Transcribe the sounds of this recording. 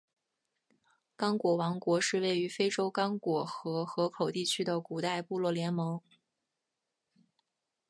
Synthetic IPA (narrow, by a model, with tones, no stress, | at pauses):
kɑ˥ŋkwɔ˨˩wɑ˧˥ŋkwɔ˧˥ʂɻ̩˥˧we˥˩ɪy˧˥fe˥ɪʈ͡ʂo˥ʊkɑ˥ŋkwɔ˨˩xɤ˧˥xɤ˧˥kʰo˨˩ʊt̪i˥˩t͡ɕʰy˥d̪ə˨ku˨˩t̪a˥˧ɪpu˥˧lwɔ˥˩ljɛ˧˥nmɤ˧˥ŋ